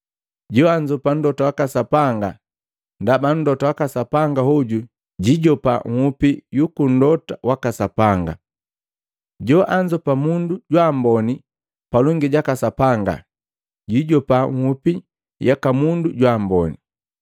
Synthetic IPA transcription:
ɟɔaɲd͡ʒɔpan̩dɔtawakasapaŋɡa | ndaban̩dɔtawakasapaŋɡahɔɟu | ɟiɟɔpa̰ŋ̩hupijukun̩dɔtawakasapaŋɡa̰ | ɟɔʔaɲd͡ʒɔpamunduɟwambɔni | palɔŋɡiɟakasapaŋɡa̰ | ɟiɟɔpaŋ̩hupi | jakamunduɟwambɔni

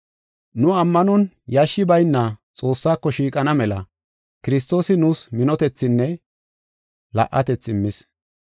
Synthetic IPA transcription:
nʊɐmːɐnɔn | jaʃːɪbɐjnːɐt͡sʼo̞ːsːaːkːɔʃiːkʼɐnɐmɛlɐ | kɪɾɪs̬t̪o̞ːsɪnuːsmɪnɔt̪ɛt͡sːɪnːɛ | lɐ̰ʔːɐt̪ɛt͡sːɪmːɪs

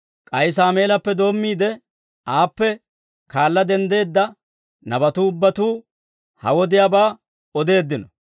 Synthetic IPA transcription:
kʼɐjs̬aːme̞ːlɐpːɛd̪o̞ːmːiːd̪ɛ | aːpːɛ | kaːlːɐd̪ɛnd̪e̞ːd̪ːɐ | nɐbɐt̪uːʊbːɐt̪uː | hɐ̰wɔd̪ɪjaːbaː | ɔd̪e̞ːd̪ːɪnɔ

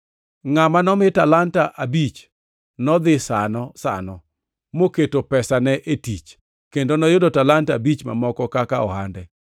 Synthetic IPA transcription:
ŋamanɔmɪtalantaʔabit͡ʃ | nɔd̪ɪsa̰nɔsa̰nɔ | moketopɛsanɛʔetit͡ʃ | kendonɔjʊdotalantabit͡ʃma̰mɔkɔkakaɔ̰handɛ

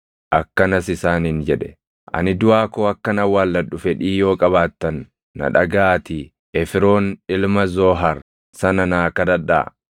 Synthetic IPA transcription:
ʔɐkːɐnɐsɪsaːnind͡ʒɛᶑɛ̥ | ʔɐ̰nɪd̪ʊaːkoːɐkːɐnɐwaːlːɐᶑːʊfɛᶑiːjo̞ːkʼɐβaːt̪ːɐnː | ɐ̰ᶑɐɡaːt̪i | ʔɛfɪɾo̞ːnɪlmɐzoːɦɐɾ | sɐnɐnaːkɐd̪ɐᶑːa̰ː

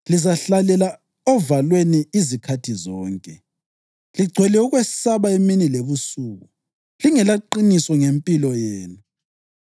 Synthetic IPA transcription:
lizaɬalɛla | ɔvalweniːzikʰatʰizɔːŋkʼɛ | liɡ͡ǀʱwɛlɛuɣwessaβaeminileβusuːɣu | liŋɛlaǃinisɔŋempʼilɔjeːnu

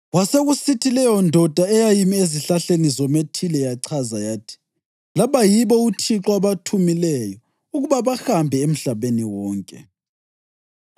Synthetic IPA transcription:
waseɣusitʰilɛjɔndʱɔd̥ʱaɛjajimieziɬaɬenizɔmetʰilɛjaǀʰazajaːtʰi̥ | laβajiβɔutʰiǁwaβatʰumilɛjɔ | uɣuβaβaxambʱɛem̩ɬaβeniwɔːŋkʼɛ̰

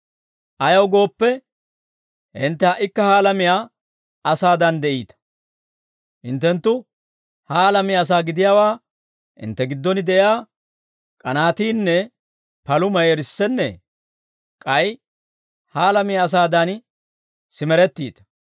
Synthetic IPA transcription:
ʔɐjɐwɡo̞ːpːɛ | ʔɪnt̪ːɛɐʔɪkːɐhaːlɐmɪjaː | ɐsaːd̪ɐnd̪ɛʔḭːt̪ɐ̥ | ʔɪnt̪ːɛnt̪ːʊ | haːlɐmɪjaːs̬aːɡɪd̪ɪjaːwaː | ʔɪ̰nt̪ːɛɡɪd̪ːɔnɪd̪ɛʔɪjaː | kʼɐnaːt̪iːnːɛ | pɐlʊmɐjɛɾɪsːɛnːɛ | kʼɐj | haːlɐmɪjaːs̬aːd̪ɐn | sɪmɛɾɛt̪ːiːt̪ɐ̥

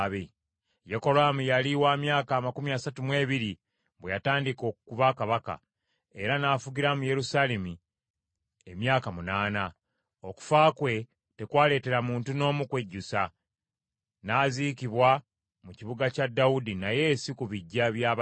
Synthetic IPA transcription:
βe | jeko̞ɾaːmujaliwaːmjaːkaːmakumiasatumwe̞ːβiɾi | βwejataːndiko̞ːkkuβakaβaka̰ | e̞̰ɾanaːfuɡiɾamuje̞ɾusale̞mi | e̞mjaːkamunaːna | o̞ku̥faːkwe̞ | te̞kwaːle̞ːte̞ɾamuːntuno̞ːmukwe̞ɟːusa | naːzikiβwa | muciβuɡacadːaudinaje̞ːsikuβiɟːaβjaː

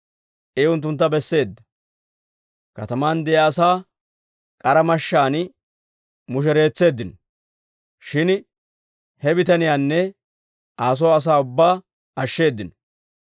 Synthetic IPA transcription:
ʔeʊnt̪̬ːʊnt̪̬ːɐbɛsːe̞ːd̪ːɐ̥ | kɐt̪ɐmaːnd̪ɛjaːsaː | kʼɐɾɐmɐʃːaːn | mʊʃ̬ɛɾe̞ːt͡sːe̞ːd̪ːɪnɔ | ʃɪn | hɛbɪt̪ɐnɪjaːnːɛ | ʔaːs̬ɔwɐs̬aːʊbːaː | ɐʃːe̞ːd̪ːɪn

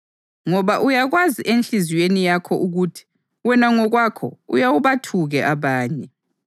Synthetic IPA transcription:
ŋɔβaʔujaɣwaziʔent͡ɬiziwenijakʰɔʔuɣutʰi̥ | wɛnaŋɔɣwakʰɔ̰ṵjawuβatʰuɣɛʔaβaːɲɛ

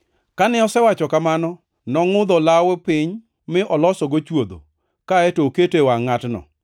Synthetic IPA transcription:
kanɪɔsɛwat͡ʃɔkamanɔ | nɔŋʊd̪ɔlawɛpɪɲ | mɪʔɔlɔsɔɡot͡ʃwod̪o̰ | kaetoketewaŋatnɔ̰

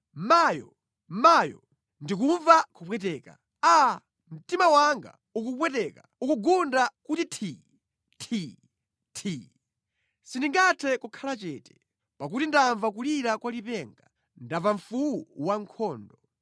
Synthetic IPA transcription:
majɔ̰ | majɔ̰ | ndikuɱvakupwɛtɛːka̰ | a | m̩timawaŋɡa̰ | ukupwɛt̬ɛkaukuɡundakutitʰi | tʰi | tʰi | sindiŋɡatʰɛkukʰalat͡ʃɛːtɛ̥ | pak̬utindaɱvakuliɾakwalipɛŋɡa | ndavaɱfuwuwaŋkʰɔːndɔ

